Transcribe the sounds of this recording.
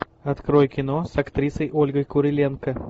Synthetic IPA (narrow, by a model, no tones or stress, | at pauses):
ɐt̪kɾojkʲɪnosɐkt̪ɾʲisəjʔolʲɡəjkʊɾʲɪlʲenkə